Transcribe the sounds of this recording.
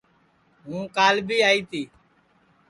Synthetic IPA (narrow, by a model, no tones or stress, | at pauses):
ɦũːkaːlbʱiːaːiːt̪iː